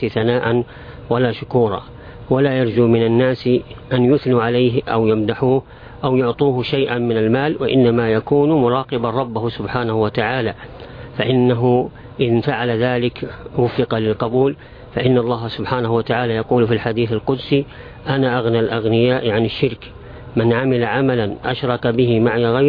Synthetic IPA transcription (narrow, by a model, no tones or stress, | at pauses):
θanaːʔan | walaʃʊkuːɾˤɑ̰ː | walajɑɾˤd͡ʒumɪnanːaːsʔanjʊθnuʕalajɦʔa̰wjamd̪aħuːh | ʔawjʊʕt̪ˤuːhʃajʔanmɪnalmaːlwaʔɪ̰nːamajakuːnmʊɾˤɑːqɪbaɾˤɑbːahsʊbħaːnahʊwat̪aʕaːlafaʔɪnːaɦʊ | ʔɪðfaʕalaðaːlɪkwʊfːɪqɑlɪlqɑbuːl | faʔɪnːɑlˤːɑːɦasʊbħaːnahʊwat̪aʕaːlajɑquːlfilħad̪iːθalqʊd̪si | ʔanaʔaɣnalʔaɣnɪjaːʔʕanɪʃːɪɾk | mɪnʕamɪlaʕamalanʔaʃɾˤɑkabɪɦɪmaʕjaɣaj